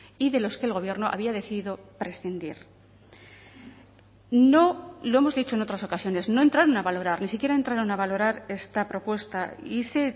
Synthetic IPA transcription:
iðe̞lo̞skelɣ̞o̞β̞je̞ɾno̞ʔa̰β̞iaðe̞θiðiðo̞pɾe̞sθind̪ḭɾ | no̞lo̞e̞mo̞zðit͡ʃo̞e̞no̞t̪ɾaso̞kasjo̞ne̞sno̞ent̪ɾaɾonaβalo̞ɾaɾnisikje̞ɾae̞nt̪ɾaɾonaβalo̞ɾaɾe̞st̪apɾo̞pwe̞st̪aise̞

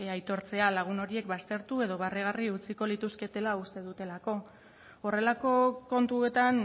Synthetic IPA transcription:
ajt̪o̞ɾt͡se̞alaɣ̞uno̞ɾie̞k̚bast̪e̞ɾt̪ue̞ð̞o̞βareɣ̞ariut͡siko̞lit̪uske̞t̪e̞laust̪e̞ðut̪e̞lako̞ | ore̞lako̞ko̞nt̪ue̞t̪an

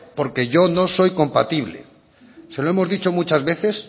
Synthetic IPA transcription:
po̞ɾke̞ʝo̞noso̞jko̞mpat̪iβ̞le̞̰ | seloemo̞zðit͡ʃo̞mut͡ʃazβe̞θe̞s

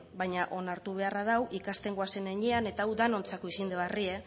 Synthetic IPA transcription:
βajɲaʔo̞naɾt̪uβ̞e̞arað̞awʔikast̪e̞ŋɡoase̞neɲeane̞t̪aːwd̪ano̞nt͡sako̞isind̪eβarie̞

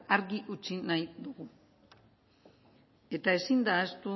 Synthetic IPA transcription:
aɾɣiʔut͡ʃinajd̪uɣu | e̞t̪ae̞sind̪aːst̪u

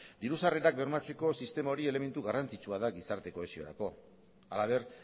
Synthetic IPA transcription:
d̪iɾusare̞ɾak̚be̞ɾmat͡se̞ko̞sist̪e̞mao̞ɾie̞le̞me̞nt̪uɣarant͡sit͡ʃuaðaɡisaɾt̪e̞ko̞esio̞ɾa̰ko̞ | alaβ̞e̞ɾ

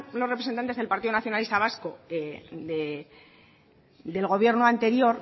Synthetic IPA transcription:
lorepɾesent̪ant̪ezðelpaɾt̪iðonaθjo̞nalist̪aβasko̞eðe | d̪e̞lɣo̞β̞je̞ɾnoant̪e̞ɾjo̞ɾ

